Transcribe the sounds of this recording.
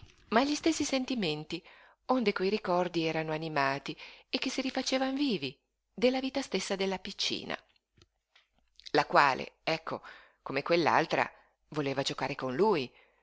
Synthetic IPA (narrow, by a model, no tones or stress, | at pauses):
maʎːist̪esːisent̪iment̪i | ond̪ekwejɾikɔrd̪iɛːɾanoanimaːt̪iek̟ːesiɾifat͡ʃeːvaɱviːvi | d̪elːaviːt̪ast̪esːad̪elːapit͡ʃːḭːna̰ | lakwaːlḛɛkʰːo̰ | komekwelːa̰lt̪ɾa̰ | voleːvad͡ʒokaːɾekonluːj